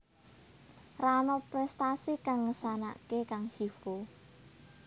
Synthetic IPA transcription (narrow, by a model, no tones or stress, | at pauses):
ranɔpɾɛst̪asikaŋːəsana̰kekaŋhifo